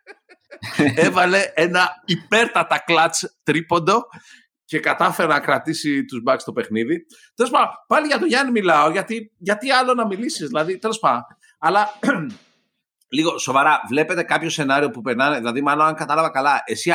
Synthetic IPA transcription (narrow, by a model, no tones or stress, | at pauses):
e̞vɐle̞enɐipe̞ɾt̪ɐt̪ɐklɐt͡st̪ɾipo̞nd̪o̞ | ce̞kɐt̪ɐfe̞ɾenɐkɾɐt̪isit̪uzbɐkst̪o̞pe̞xniði | t̪e̞lo̞spɐd̪pɐliʝɐt̪oʝɐnimilɐo̞ʝɐt̪iʝɐt̪iɐlo̞nɐmilisizðilɐðit̪e̞lo̞spɐndo | ɐlɐ | liɣo̞so̞vɐɾɐvle̞pe̞t̪e̞kɐpço̞se̞nɐɾio̞pupe̞ɾnɐneðilɐðimɐloɐŋkɐt̪ɐlɐvɐkɐlɐʔe̞si